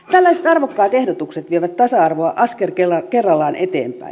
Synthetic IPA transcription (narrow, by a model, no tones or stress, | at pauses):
t̪ælːæiset̪ɑrʋokːɑːt̪ehdot̪ukset̪ʋieʋæt̪t̪ɑsɑɑrʋoɑʔɑskerkelɑkerːɑlːɑːnʔet̪ḛːmpæ̰i